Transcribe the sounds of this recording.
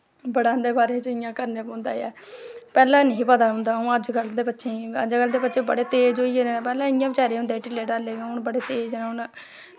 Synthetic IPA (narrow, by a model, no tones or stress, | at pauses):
bəɽãːnd̪eːbaːɾeːt͡ʃɪjãːkəɾneːpõːnd̪a̰ːjɛːpɛːlãːnəĩːpəd̪aːɦʊ̃nd̪aːʊ̃ːəd͡ʒɡəld̪eːbətːʃʰẽːəd͡ʒɡəld̪eːbətːʃʰẽːbə̰ɽeːt̪eːd͡ʒoːiːeːpɛːlãːɪjãːbɪt͡ʃaːɾeːʊ̃nd̪eːʈɪlːeːɖaːleːɡãːʊnbəɽeːt̪eːd͡ʒɛ̃ːʊn